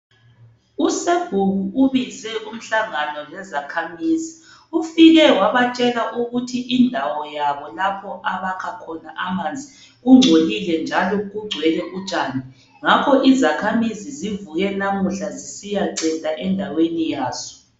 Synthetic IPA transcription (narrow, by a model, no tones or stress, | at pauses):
useɡ̥ʱuɣuuβizɛʔum̩ɬaŋanɔlɛzakʰamiːzi | ufiɣɛwaβat͡ʃʼɛlaʔuɣutʰiʔindʱawɔjaβɔlapʰɔʔaβakʰakʰɔnaʔamand͡zʱi | ɣuŋ͡ǀʱolilɛnd͡ʒʱalɔɣuɡ͡ǀʱwɛlɛʔut͡ʃʼaːni | ŋakʰɔʔizakʰamizizivuɣɛnamuɬazisijaǀɛtʼaʔɛndʱawenijaːzɔ̥